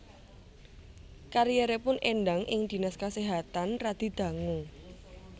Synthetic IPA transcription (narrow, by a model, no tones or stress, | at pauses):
kaɾijeɾepʊnʔenɖaŋʔɪŋd̪̥i̤naskaseɦat̪anrad̪̥i̤d̪̥ä̤ŋuŋ